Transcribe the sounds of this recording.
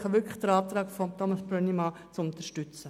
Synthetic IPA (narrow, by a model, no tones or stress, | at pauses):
χɑʋʏɾkʰləxd̥əɾɑːft̪ɾɑːkfɔmt̪ʰɔmɑsbɾœnimɑ | t͡sʊnt̪əʃtʏt͡sə